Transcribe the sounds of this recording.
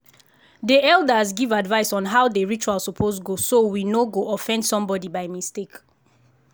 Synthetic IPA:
diɛlˠdəzɡivadvaɪsɔ̃nɦaʊdeɹit͡ʃualˠsɔpʰozɡosowinoɡoʔɔfɛ̃ndsɔ̃mbɔdibaɪmistek

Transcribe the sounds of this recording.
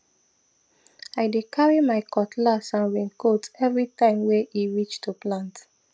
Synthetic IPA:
aɪdekʰaɹimaɪkʰɔtlasãnɹĩŋkotɛvɹitãɪ̃mweʔiɹit͡ʃtuplãnt

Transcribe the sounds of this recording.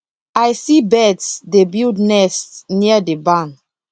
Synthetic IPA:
ajsibɛtsdebildnɛstniədebãn

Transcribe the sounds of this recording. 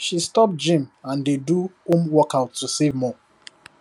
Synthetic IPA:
ʃistɔp̚d͡ʒĩmãndeduõmwɔkaʊtːusevmɔ

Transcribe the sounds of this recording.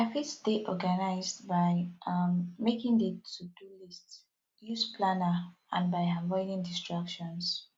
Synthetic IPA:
afisdeɔɡanaɪzdbaj | mekĩŋditudulist | juspʰlanə | ã̰nbajavɔɪnĩŋdistɹakʃɔ̃ns

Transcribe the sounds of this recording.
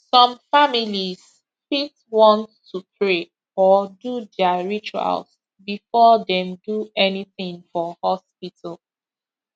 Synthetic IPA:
sɔ̃mfamilis | fifswɔ̃ntː | upʰɹe | ɔdudɛaɹit͡ʃua̰ls | bifɔdɛ̃mduɛniθɪ̃ŋfɔhɔspitʰal

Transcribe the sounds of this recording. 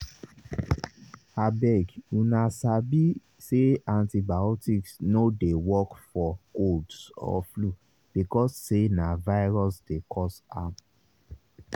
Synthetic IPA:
abɛɡunasabi | seãntibaɔtiksnodewɔkfɔkoldsɔ̰flu | b̥ikɔsːenavaɪɹɔsdekʰɔsa̰

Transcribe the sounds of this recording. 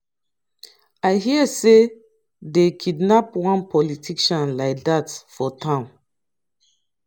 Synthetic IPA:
aɪɦiəse | dekʰidnapwɔ̃npʰɔlitʰiʃɔ̃nlaɪk̚datfɔtʰãʊ̃n

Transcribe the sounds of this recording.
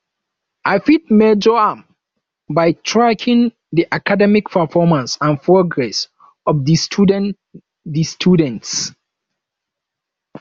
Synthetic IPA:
ʔaɪfit̚med͡ʒɔam | bajtʰɹakʰɪ̃ŋ | diʔakʰadɛmikpʰəfɔmãnsãnpʰɹɔɡɹɛs | ɔvdisdn | distʰjudɛ̃nts

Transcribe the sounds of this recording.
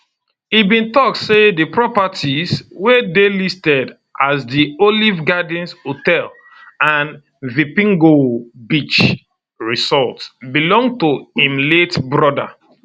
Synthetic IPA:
ibĩntɔksedəpɹɔpatʰizwedelistɛd | ʔasdiolivɡadĩnsotɛl | ãn | vipĩŋɡobit͡ʃ | ɹisɔltsbilɔ̃ŋɡtoĩmletbɹɔda̰

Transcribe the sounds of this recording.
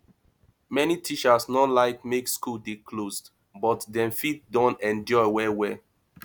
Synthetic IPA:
mɛnitʰit͡ʃəsnɔlaɪkmekskudekʰlosd | bɔtdɛ̃mfitdɔ̃nɛ̃nd͡ʒɔɪwɛwɛ

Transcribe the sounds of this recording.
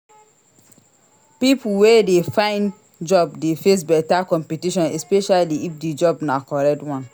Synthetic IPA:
pipuwedefãɪ̃n | d͡ʒɔbdefes̬bɛtakɔ̃mpitiʃɔ̃nɛspɛʃaliifded͡ʒɔbnakɔɹɛk̚twɔ̃n

